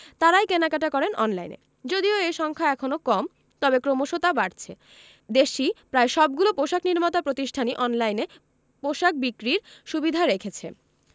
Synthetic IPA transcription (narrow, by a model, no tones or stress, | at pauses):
t̪aɾajkenakaʈakɔɾenɔnla̰jnḛ | d͡ʑod̪ioejʃɔŋkʰaɛkʰonokɔm | t̪ɔbekɾomoʃot̪abaɾt͡ɕʰe | d̪eʃipɾaeʃɔb̚ɡulopoʃakniɾmat̪apɾot̪iʃʈʰaniʔɔnlajne | poʃak̚bikɾiɾʃubid̪ʱaɾekʰet͡ɕʰḛ